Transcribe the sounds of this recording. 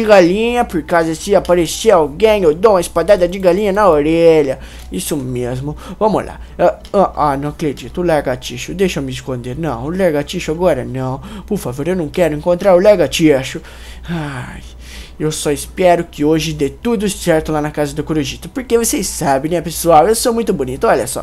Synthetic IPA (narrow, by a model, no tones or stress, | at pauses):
d͡ʒɪɡalĩɲɐpoɾkazɐsɪapaɾeseawɡẽj̃ewd̪oumɐispad̪ad̪ɐd͡ʒɪɡalĩɲɐnɐoɾɛʎɐ | isʊmezmʊvɐ̃mʊ̰la̰ | a | ɐ̃ʔanɐ̃w̃ɐkɾed͡ʒit̪ʊːlɛɾɡat͡ʃiʃʊd̪ejʃɐmɪɪskõnd̪eɾnɐ̰̃w̃ʊlɛɾɡat͡ʃiʃʊaɡɔɾɐnɐ̃w̃poɾfavoɾewnɐ̃w̃kɛɾʊẽŋkõnt̪ɾaɾʊlɛɡat͡ʃiaʃʊ | aj | ewsɔispɛɾʊkɪoʒɪd̪et̪ud̪ʊsɛɾt̪ʊlanɐkazɐd̪ʊkoɾoʒit̪ɐpoɾkevosesabẽnɛ̃ɐpesuawewsomũj̃t̪ʊbonit̪ʊɔʎɐsɔ̰